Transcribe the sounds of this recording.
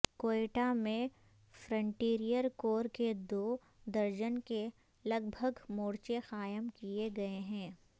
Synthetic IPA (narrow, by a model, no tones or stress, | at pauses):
koːeːʈamẽ | fɾə̃ɳʈiːɾijəɾkoːɾked̪oː | d̪ɐɾd͡ʒənke | lɐɡbʱəɡmoːɽt͡ʃexaːjəmkieɡɐeɦɛ̃ː